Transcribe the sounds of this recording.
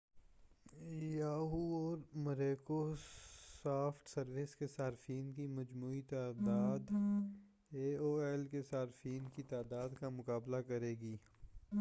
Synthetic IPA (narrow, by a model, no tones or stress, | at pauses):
jaːɦuɔːɾmɐɾeːkosaːfʰʈsɐɾʋɪskesaːɾfiːnkimɐd͡ʒmuːit̪aːd̪aːd̪ | eːoːɛːlkesaːɾfiːnkit̪aːd̪aːd̪kamʊkaːblakɐɾeːɡiː